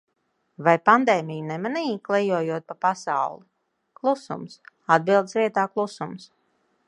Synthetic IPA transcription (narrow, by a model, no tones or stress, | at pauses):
vajpand̪eːmijunɛmaniːklˠɛjuɔjuɔt̪̚papasa̰wlˠi | klˠusṵms | ad̪̚bilˠd̪sviɛt̪aːklˠusums